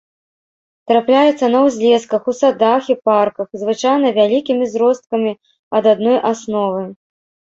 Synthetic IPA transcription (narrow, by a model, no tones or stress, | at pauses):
t̪ɾaplʲajɛt̪sːɐnɐwzʲlʲɛskɐxusad̪axiparkɐxzvɨt͡ʂajn̪ɐvʲalʲikʲimʲizɾɔst̪̚kɐmʲi | ɐd̪ad̪nɔjʔasnɔvɨ